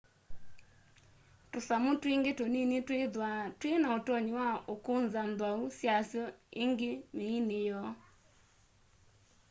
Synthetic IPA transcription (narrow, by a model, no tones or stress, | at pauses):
tosamotiŋɡetoninetweðwatwenaotɔɲewaokonzandwausjasjɔeŋɡemeinejɔ